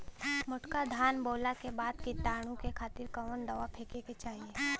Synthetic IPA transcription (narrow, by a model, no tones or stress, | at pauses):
mʊʈkad̪ʱaːnboːlakebaːd̪kit̪aːɽ̃ũkekʰaːt̪ɪɾkɐʋənɖ̪ɐʋapʰeːkeket͡ʃaːɦieː